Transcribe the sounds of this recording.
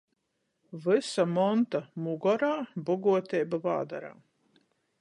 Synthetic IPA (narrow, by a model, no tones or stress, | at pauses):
vɨsamɔnt̪amuɡɔɾaːbɔɡuɔt̪ʲɛːbava̰ːd̪aɾa̰ː